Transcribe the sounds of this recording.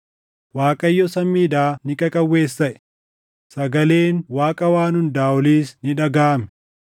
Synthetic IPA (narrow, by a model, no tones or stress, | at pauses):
waːkʼɐjːɔsɐmːiːd̪aːnɪkʼɐkʼɐwːe̞ːsːɐʔɛ̥ | sɐɡɐle̞ːnwaːkʼɐwaːnʊnd̪aːɔliːsnɪᶑɐɡaːmɛ̥